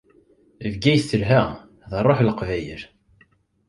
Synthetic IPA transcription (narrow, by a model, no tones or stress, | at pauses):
vɡæjθəlɦæ | ðɑrˤːoħlqvæjəɾ